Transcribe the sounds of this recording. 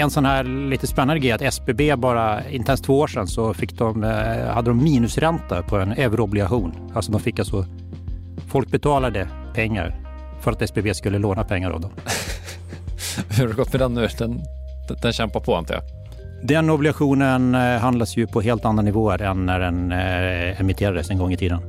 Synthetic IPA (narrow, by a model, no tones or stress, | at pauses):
ɛnsɔnhæːɾliːt̪əspɛnːand̪əɡɾɛjat̪ɛsbeːbeːbɑːɾaɪnt̪ɛnst̪v̥oːoːʂɛnsɔfɪkːd̪ɔmhad̪ːəd̪ɔmːiːnɵsɾɛnt̪apʰɔɛnøːvəɾɔblɪɡaɧuːn | alsɔd̪ɔmfɪkːalsɔ | fɔlk̚bɛt̪ʰɑːlad̪ə | pʰɛŋːa̰ɾ | fœɾat̪ɛsbebeːskɵlːəloːnapʰɛŋːaɾɑ̰vd̪ɔm | hadɵɡɔt̪mɛd̪ɛnːʉːd̪ɛn | d̪ɛnɕɛmpapʰɔɛ̰nt̪əja̰ | d̪ɛnɔblɪɡaɧuːnənɦand̪ad̪sjɵpʰɔɦeːlt̪and̪ɾanɪvoːəɾɛnːæɖɛn | ɛmɪt̪ʰeːɾad̪əsɛnɡɔŋːɪt̪ʰiːd̪ən